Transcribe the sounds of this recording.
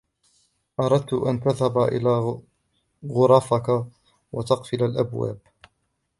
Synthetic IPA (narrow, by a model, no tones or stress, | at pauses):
ʔɑɾˤɑd̪̚t̪ʊʔant̪aðhabaʔɪ̰laː | ɣʊɾˤɑfaka | wʔat̪ɑqfɪlalʔabwa̰ːb